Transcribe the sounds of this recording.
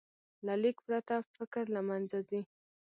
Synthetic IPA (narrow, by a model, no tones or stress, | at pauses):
lalikpɾat̪afɪkɾlamanzazi